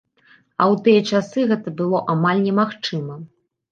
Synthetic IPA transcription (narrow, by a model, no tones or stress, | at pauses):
ɐ̰wt̪ɨjɐt͡ʂasɨɣɛt̪ɐbɨlˠɔʔamalʲnʲɛmaxt͡ʂɨmɐ